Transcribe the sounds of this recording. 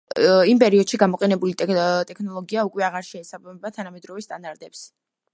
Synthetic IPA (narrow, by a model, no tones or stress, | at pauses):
impʼɛɾiɔd̪̥ʃiɡamɔqʼɛnɛbulit̪ʼt̪ʼɛkʰnɔlˠɔɡiaukʼwɛaʁaɾʃɛːsabamɛbat̪ʰanamɛd̪ɾɔvɛst̪ʼand̪aɾt̪ʼɛps